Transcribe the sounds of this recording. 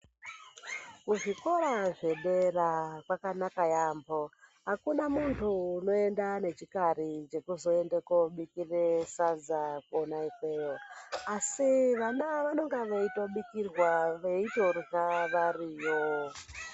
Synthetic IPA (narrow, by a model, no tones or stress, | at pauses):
kuʐiko̞ɾaʐe̞ɗerakwakanakajaːmbo̞ɦakunamuntʰuːno̞e̞ndane̞t͡ʃikaɾit͡ʃe̞kuzo̞endekoɓikiresad͡zakonaikwe̞joasiʋanaʋano̞ŋɡaʋeitoɓikirwaʋeitorkaʋariːjo